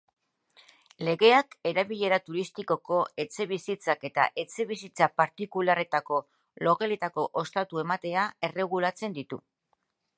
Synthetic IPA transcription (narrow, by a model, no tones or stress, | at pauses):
le̞ɣe̞ake̞ɾaβiʎe̞ɾat̪uɾist̪iko̞ko̞e̞t͡se̞βisit͡sake̞t̪a̰ʔe̞t͡se̞βisit͡sapaɾt̪ikulare̞t̪ako̞ | lo̞ɣele̞t̪ako̞ʔo̞st̪at̪ue̞mat̪e̞ae̞re̞ɣ̞ulat͡se̞nd̪it̪u